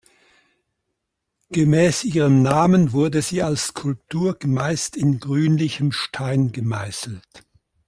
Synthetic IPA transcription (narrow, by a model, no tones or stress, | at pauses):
ɡ̥əmɛːsʔiːʁəmnaːmənvʊɐdəziːalsskʰʊlp̚tʰuːɐɡmaɪstɪnɡʁyːnlɪçəmʃtʰaɪnɡəmaɪsl̩t